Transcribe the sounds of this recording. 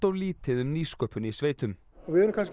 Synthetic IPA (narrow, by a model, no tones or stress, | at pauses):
t̪ɔɣliːt̪ɪðʏmniːskœːpʏnisveːjt̪ʏm | ɔvɪɛɾʏmkʰans